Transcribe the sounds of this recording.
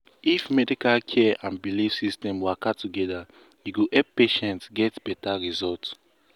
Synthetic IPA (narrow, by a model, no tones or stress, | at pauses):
ifmɛdikalkʰɛãnbilifsistɛ̃mwakatuɡɛda | juɡoʔɛp̚peʃɛ̃ntɡɛtb̥ɛtaɹizɔlt